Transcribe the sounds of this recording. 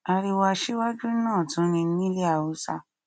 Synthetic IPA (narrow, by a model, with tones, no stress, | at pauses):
a˧ɾi˧wa˧ʃi˦wa˦d͡ʒu˦nãː˦˨tũ˨˦nĩ˧n̩˦nĩ˦le˦a˨u˨˧˦sa˧